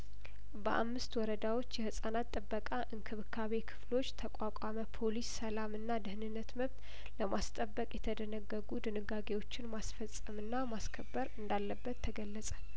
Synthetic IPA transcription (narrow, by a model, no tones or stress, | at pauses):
bəʔa̰mːɨst̪wɔɾəd̪awo̞t͡ʃːjɛhɨsʼanat̪ʼːɨbːəkʼaʔɨŋkʰɨβkʰːaβe̞kʰɨ̥flo̞t͡ʃːt̪ʰəkʷʼakʷʼaməpʰolisːəlamɨnːad̪ɨhnɨnːət̪məβt̪ | ləmast̪ʼəbːəkʼjɛt̪ʰəd̪ənəɡːəɡud̪ɨnɨɡaɡe̞wo̞t͡ʃːɪnmasfəsʼəmɨnːamaskʰəbːəɾɨnd̪alːəbːət̪ʰːəɡəlːəsʼə̥